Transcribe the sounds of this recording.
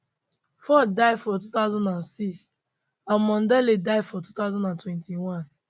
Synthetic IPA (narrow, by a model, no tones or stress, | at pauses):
fɔdaɪfɔtut̪aʊzãndãnsis | ãnmɔ̃ndɛledaɪdfɔtut̪aʊzãndãntwɛ̃ntiwɔ̃n